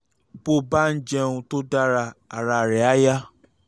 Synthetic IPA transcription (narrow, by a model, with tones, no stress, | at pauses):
bo˦˨ba˦n̩˦d͡ʒɛ˧ũ˧to˦da˦ɾa˧a˨ɾa˧˨ɾɛ˨a˨˦ja˦